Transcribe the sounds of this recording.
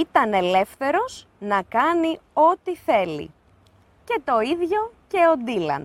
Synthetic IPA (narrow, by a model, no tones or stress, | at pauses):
it̪ɐne̞le̞fθe̞ɾo̞z̥ | nɐkɐnio̞t̪iθe̞lḭ | ce̞t̪o̞iðʝo̞ce̞o̞d̪ilɐ̰n